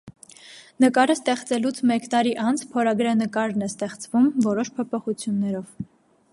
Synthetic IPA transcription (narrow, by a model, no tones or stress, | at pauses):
nəkɑɾəst̪ɛχt͡sɛlut͡sʰmɛkt̪ɑɾiʔɑnt͡sʰpʰɔɾɑɡɾɑnəkɑɾnɛst̪ɛχt͡svumvɔɾɔʃpʰɔpʰɔχut͡sʰjunːɛɾɔv̥